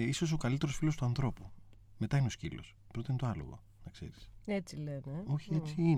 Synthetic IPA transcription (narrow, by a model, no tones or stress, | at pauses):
iso̞s̬o̞kɐlit̪e̞ɾo̞sfilo̞st̪uɐnθɾo̞pu | met̪ɐineo̞scilo̞̰spɾot̪iint̪oɐlo̰ɣo̰ | nɐkse̞̰ɾiset͡sileneo̞çiet͡sii